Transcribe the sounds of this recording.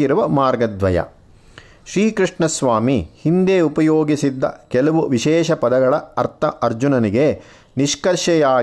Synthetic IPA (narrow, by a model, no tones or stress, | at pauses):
iɾuʋɐmaːɾɡɐd̪ʋɐjɐ̰ | ʃɾiːkɾiʂɳɐsʋaːmihind̪eːupɐjoːɡisid̪ːɐ̰kɛlɐʋuʋiʃɛːʃɐpɐd̪ɐɡɐɭɐɐɾt̪ʰɐʔɐɾd͡ʒunɐniɡe | niʃkɐɾʃɐjaː